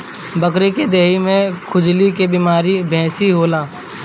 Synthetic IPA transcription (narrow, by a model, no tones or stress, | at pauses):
bəkɾeked̪eːɦimẽkʰʊd͡ʒlikebiːmaːɾibʱɛ̃ːsiɦoːlãː